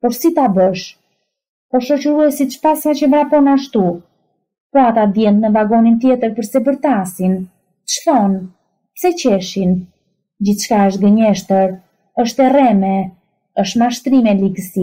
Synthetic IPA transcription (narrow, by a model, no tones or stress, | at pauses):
pɔɾsit̪abəʃ | pɔʃɔt͡ɕəɾuɛsit̪ʃpasat͡ɕəmɾapɔnaʃt̪u | pɔat̪ad̪jɛnt̪mɛvaɡɔnint̪jɛt̪əɾpəɾsɛbəɾt̪asin | ə̥ʃθɔn | psɛt͡ɕɛʃin | d͡ʑiθt͡ʃkaəʃt̪̚ɡəɲɛʃt̪əɾ | əʃt̪ɛrɛmɛ | əʃmaʃt̪ɾimɛliɡəsi